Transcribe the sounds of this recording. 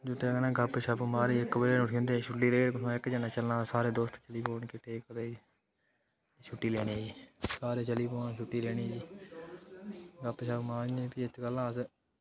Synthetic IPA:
d͡ʒʊʈ̪eːɡənãːɡəpʃəbumaːɾiːɪkbəd͡ʒeːnʊʈʰiːõːnd̪eːʃʰʊʈːiːleːɽkʊsãːɪkd͡ʒənaːt͡ʃəlnãːsaːɾeːd̪oːst̪t͡ʃəliːpoːɳkɪʈeːkəd̪eːi | t͡ʃʰʊʈːiːleːɽniːiːsaːɾeːt͡ʃəliːpoːnʃʰʊʈːiːleːɽiːiː | ɡəpːʃəbmaːɾeːpiːɪt̪ʰɡəlãːs

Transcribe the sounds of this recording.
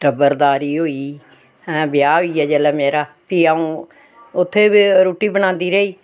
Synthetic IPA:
ʈəbəɾd̪aːɾiːɦoːiː | ɦɛ̃ːbɪjaːɦoːiːɛːd͡ʒɛːlɛːmeːɾaː | piːaːũː | ʊt̪ʰːeːbiɾuːʈiːbəñãːnd̪iːɾəiː

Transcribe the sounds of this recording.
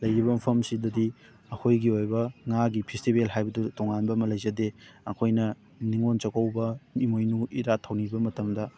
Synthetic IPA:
lɐjɾibɐmɐpʰɐmsidɐdi | ɐkʰojɡiojbɐŋaɡipʰistibelɦajbɐdutoŋanbɐːmɐlɐjzɐdeɐkʰojnɐ | niŋont͡ʃɐkɐwbɐnimojnuiɾatʰɐwnibɐmɐtɐmdɐ

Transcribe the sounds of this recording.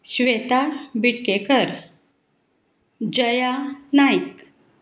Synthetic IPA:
ɕʋet̪aɽbiʈkekəɾ | d͡ʑəjanajk

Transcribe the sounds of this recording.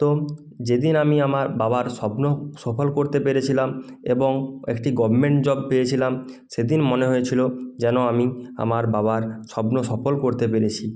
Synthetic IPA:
t̪o | d͡ʑed̪inamiamaɾbabaɾʃɔbnoʃɔfolkoɾt̪epeɾet͡ɕʰilam | eboŋḛkʈiɡɔbʱmeɳʈd͡ʑɔb̚pejet͡ɕʰilam | ʃed̪inmoneɦojet͡ɕʰilod͡ʑɛnoamia̰maɾbabaɾʃɔbnoʃɔfolkoɾt̪epeɾet͡ɕʰi

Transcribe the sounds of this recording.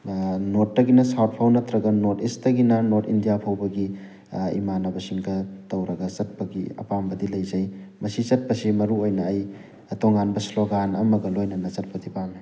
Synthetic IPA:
notːɐɡinɐsat̚pʰawnɐtɾɐɡɐnotistɐɡinɐnotindijapʰawbɐɡi | ḭmanɐbɐsiŋkʰɐtɐwɾɐɡɐsɐt̚pɐɡiɐ̰pambɐdilɐjzɐjmɐsit͡ʃɐt̚pɐsimɐɾuojnɐːj | toŋɡanbɐsloɡanɐ̰mɐɡɐlojnɐnɐt͡ʃɐt̚pɐdipaŋnɐ

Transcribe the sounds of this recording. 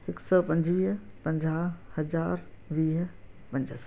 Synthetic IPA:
ɦɪksɔːpɐ̃ɲd͡ʒʋiːɦpɐ̃ɲd͡ʒaːhɐzaːɾ | ʋiːɦ | pɐ̃ɲd͡ʒəs

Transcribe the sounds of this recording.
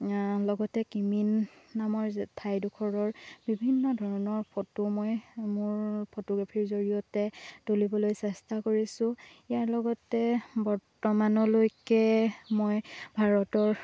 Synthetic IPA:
lɔɡɔtɛkiminːamɔɹtʰajdukʰɔɹɔɹbibʱinːɔdʱɔɹɔnɔɹpʰotumojmʊɹpʰotɔɡɹapʰiɹzoɹijɔtɛtolibɔlojsɛstakoɹisʊ̃ijaɹlɔɡɔtɛbɔɹtɔmanɔlojkɛmojbʱaɹɔtɔɹ

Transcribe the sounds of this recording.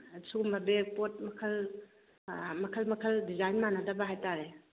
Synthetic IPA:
sumɐbek̚pot̚mɐkʰɐl | mɐkʰəlmɐkʰɐldizajnmanadɐbaɦajtaɾe

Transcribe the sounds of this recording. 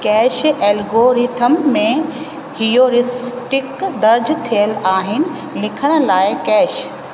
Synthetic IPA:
kɛːʃeːlɡoɾit̪ʰəmːẽ | hijoɾɪsʈɪkd̪ɐɾd͡ʑt̪ʰijəlaːɦɪnɪ̆ | lɪkʰəɽ̃ə̆laːɪkɛːʃ

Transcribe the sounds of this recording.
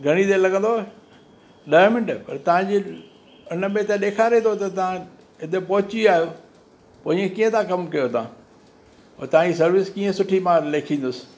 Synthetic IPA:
ɡʱɐɽ̃it̪elɐɡə̃nd̪o | ɗɐmɪnʈpɐɾt̪ɐʋ̤ãd͡ʑi | ʊnə̆mẽt̪ẽɗeːkʰaːɾet̪ʰot̪ɐt̪ɐʋã | ɪd̪epɐɦʊt͡ɕiaːɦijo | poːĩẽkiːə̃t̪ʰãkɐmkɐjot̪ɐãː | oːt̪ɐʋ̤ãd͡ʑis̬ɐɾʋɪskiːə̃sʊʈʰimãːɾleːkʰĩːn̆d̪ʊsɪ̥̆

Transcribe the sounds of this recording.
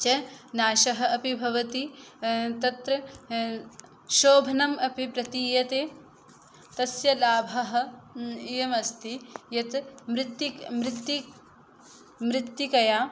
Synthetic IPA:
t͡ʃɐnaːʃɐɦɐ̆ɐpibʱɐʋɐt̪i | t̪ɐt̪ɾɐ | ʃoːbʱɐnɐmɐpipɾɐt̪iːjɐt̪eː | t̪ɐsjɐlaːbʱɐɦɐ̆ejɐmɐst̪ijɐt̪mɾɪt̪ːjimɾɪt̪ːji | mɾɪt̪ːjikɐjaː

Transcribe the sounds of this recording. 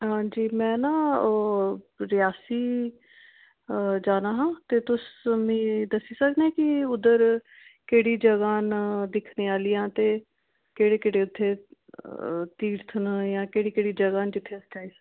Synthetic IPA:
ɦãːd͡ʒiːmɛ̃ːnãː | ɾɪjaːsiː | d͡ʒaːnaːɦãːt̪eːt̪ʊsmĩːd̪əsiːsəkd̪ɛ̃ːkɪʊd̪əɾ | keːɽiːd͡ʒəɡaːnd̪ɪkʰneːaːliːãːt̪eː | keːɽeːkeːɽeːʊt̪ʰːeː | t̪iːɾt̪ʰənjãːkeːɽiːkeːɽiːd͡ʒəɡaːnd͡ʒɪt̪ʰːeːsə̥t͡ʃaːiːs

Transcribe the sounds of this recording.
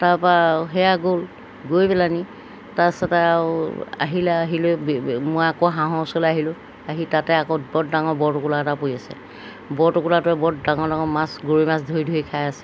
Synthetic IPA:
taɹpaɦɛjaɡol | ɡojpɛlani | tasɛtaaa̰ɦilɛaɦilʊbmojakoɦãɦɔ̃sɔleaɦilʊ̃ | aɦitatɛakɔbɔddaŋɔɹbɔɹtʊkulaɛtapoiasɛ̰ | bɔɹtʊkulatʊɛbɔddaŋɔɹdaŋɔmasɡuɹimasdʱojdʱoikʰajasɛ̥

